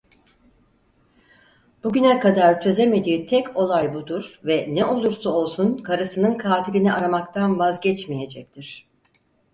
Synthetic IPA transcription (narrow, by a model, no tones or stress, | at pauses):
b̥uɟynɛkad̪aɾt͡ʃʰø̞zeme̞d̪iːt̪ʰɛcʰo̞lˠajbud̪uɾ̥vɛnɛo̞lˠuɾsuo̞lˠsunkʰaɾɯsɯnɯnkʰaːt̪ʰiɾiniʔaɾamak̚t̪ʰanvazɟɛt͡ʃmije̞d͡ʒɛc̚t̪ʰiɾ̥